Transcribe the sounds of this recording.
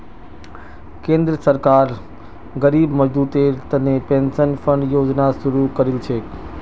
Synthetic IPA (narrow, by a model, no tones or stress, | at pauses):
kẽːnd̪ɾəsəɾkaːɾ | ɣəɾiːbməd͡ʒd̪uːt̪et̪ɐnepẽːnsənfə̃ɳɖjoːd͡ʒnasʊɾukɐɾɪlt͡ʃʰeː